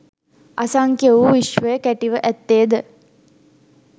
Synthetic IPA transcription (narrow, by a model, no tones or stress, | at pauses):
ʔasɐŋkjeʋuʋiʃʋəjəkæʈiʋəʔæt̪ːeːd̪ə